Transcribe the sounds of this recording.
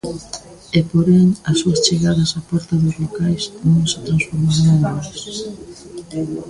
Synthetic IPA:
epoɾeŋɐsːuɐst͡ʃeɣaðɐsapɔɛɾt̪ɐðʊzlokajsnõŋsɪt̪ɾãnsfoɾmaɾaŋ̃oɾs

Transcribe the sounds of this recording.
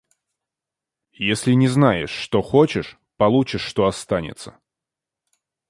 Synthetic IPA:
jesʲlʲɪnʲɪznajɪ̰ʂːt̪o̞xot͡ɕɪʂ | pɐlˠut͡ɕɪʂːt̪o̞ɐst̪anʲɪ̰t̪sə̥

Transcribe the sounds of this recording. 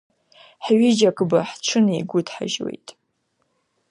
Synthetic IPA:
ħɥɪd͡ʒakʰʼɨbaħt͡ʃʷʰɨniɡʷʊdʰħa̰ʒwḛjtʼ

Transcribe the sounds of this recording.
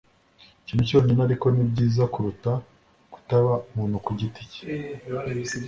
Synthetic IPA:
cinuco̞ɲinaɾiko̞nibɟiːzakuɾuta | ku̥taβamuːnhukuɟiti̥ci̥

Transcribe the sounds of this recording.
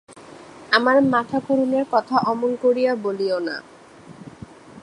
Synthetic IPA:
amaɾmat̪ʰakoɾuneɾkɔt̪ʰaʔɔmonkoɾijaboliona̰

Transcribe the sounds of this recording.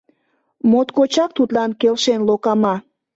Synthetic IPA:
mot̪kot͡ɕɑk̚t̪ut̪lɑnkelʃenlokɑmɑ

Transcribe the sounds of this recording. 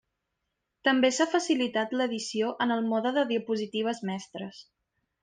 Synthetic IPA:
t̪əmbesafəsilit̪at̪ləðisioʔənəlˠmɔðəðəðiəpuzit̪iβ̞əzmɛst̪ɾəs

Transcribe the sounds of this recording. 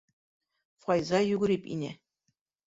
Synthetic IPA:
fɑjzɑjʉɡɘ̆ɾipḭnæ̰

